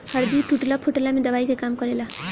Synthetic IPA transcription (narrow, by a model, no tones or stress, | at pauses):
həɾd̪iʈuʈlapʰuʈlamẽd̪əβaikekamkɔɾela